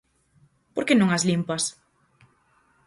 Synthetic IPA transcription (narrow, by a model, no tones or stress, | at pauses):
poɾkenõŋazlimpas